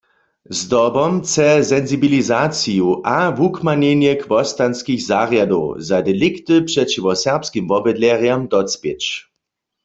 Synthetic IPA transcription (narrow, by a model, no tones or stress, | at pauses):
zdɔbɔmt͡sɛzɛnzibilizaːt͡sijuʔavukmanenjɛkʰvɔst̪anskixzaʁjado̰ʊzadɛlikt̪ɨpʂɛt͡ʃivɔsɛʁpskimvɔbɛd̪lɛʁjamd̪ɔt͡spet͡ʃ